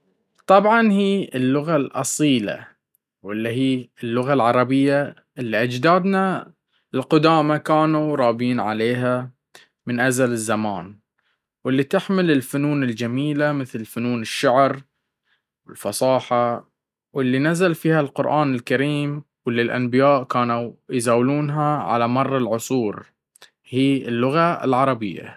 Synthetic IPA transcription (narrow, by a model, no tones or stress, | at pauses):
t̪ˤɑbʕɑnhiːɪlːʊɣalʔɑ̰sˤiːla̰ | wɪlːiɦiːɪlːʊɣalʕɑɾˤɑbɪjːa | ʔɪlːiʔad͡ʒd̪aːd̪na | ɪlqʊd̪aːmakaːnuɾˤɑːbiːnʕa̰leːɦa | mɪnʔazalɪzːamaːn | wɪlːit̪ɪħmɪlɪlfʊnuːnɪld͡ʒamiːlamɪθlfʊnuːnɪʃːaʕɾ | wɪlfɑsˤɑːħɑ | wɪlːinazalfiːhalqʊɾʔaːnɪlkaɾiːm | wɪlːilʔa̰nbɪjaːʔkaːnujzaːwluːnɦaʕa̰lamɑrˤːɑlʕʊsˤuːɾ | hiːɪlːʊɣaɪ̰lʕɑɾˤɑbɪjːa̰